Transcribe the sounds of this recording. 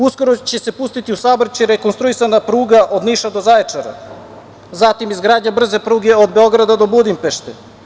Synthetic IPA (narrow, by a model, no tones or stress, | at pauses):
usko̞ɾot͡ɕe̞se̞pust̪it̪iusaboɾt͡ɕeɾekonst̪ɾuisanapɾuːɡaʔo̞d̪niːʃad̪o̞zajet͡ʂaɾa̰ | zat̪imizɡɾaːd̪ɲabr̩ze̞pɾuːɡe̞od̪be̞o̞ɡɾad̪ad̪o̞bud̪impeʃt̪ḛ